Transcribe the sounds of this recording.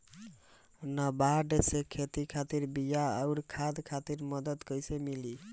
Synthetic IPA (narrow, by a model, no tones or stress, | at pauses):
nəbaɖesekʰet̪ikʰat̪iɾbijaəuɾkʰad̪kʰat̪iɾməd̪ət̪kəjsemili